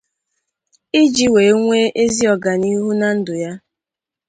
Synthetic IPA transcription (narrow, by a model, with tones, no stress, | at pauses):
ɪ˦d͡ʒi˦we˨˦ŋʷe˦ʔe˦zi˦ɔ˨ɡa˨ni˦ɦu˦na˨n̩˦dʊ˨ja˦